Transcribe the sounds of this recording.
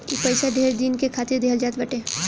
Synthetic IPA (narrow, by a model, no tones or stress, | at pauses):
ipɐɪsaɖʱeːɾd̪iːnkekʰaːt̪ɪɾd̪ʱeːɦəld͡ʒaːt̪bɐʈẽː